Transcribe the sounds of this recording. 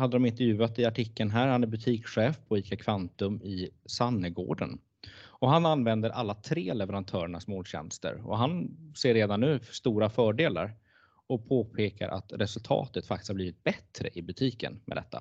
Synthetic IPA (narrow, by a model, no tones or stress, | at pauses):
had̪ːəd̪ɔmɪnt̪ɛɾjʉ̟ːat̪ɪaʈʰɪkːənɦæːɾhanæɾbɵt̪ʰiːkɧɛːfpʰɔiːt̪kakʰvant̪ɵmɪsanːəɡo̰ːɖə̰n | ɔɦananvɛnd̪əɾʔalːat̪ʰɾeːlɛvɛɾant̪ʰœːɾəɳasmoːd̪ɕɛ̰nst̪ə̰ɾɔ̰ɦanseːɾːeːd̪anːʉ̟ːst̪uːɾafœːɖeːla̰ɾ | ɔpʰoːpʰeːka̰ɾʔa̰t̪ɾʔɛsɵlt̪ʰɑ̰ːt̪ət̪fakt̪ɪ̥shabliːvɪt̪̚bɛt̪ɾə̰ʔɪbɵt̪ʰiːkə̰nmɛ̰d̪ɛt̪ʰːa̰